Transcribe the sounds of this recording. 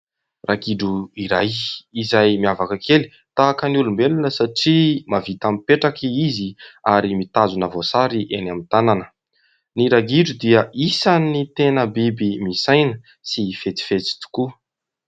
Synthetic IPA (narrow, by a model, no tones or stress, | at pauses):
rʔaɡiɖ͡ʐuiɾajizajmiavakəkʰeli̥ | t̪aːkəniulumbelunəsaʈ͡ʂimavit̪amipeʈ͡ʂakiiziaɾimit̪azunəvosaɾiʔenamit̪ananə̥ | niɾaɡiɖ͡ʐud̪iəʔisanit̪enəbibimisajnə | sifet̪i̥fet͡si̥t̪u̥ku